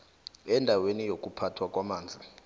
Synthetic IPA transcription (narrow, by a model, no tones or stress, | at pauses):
ɛndʱawenijok̬ʼupʰatʰwak̬ʼwamaːnd͡zʱi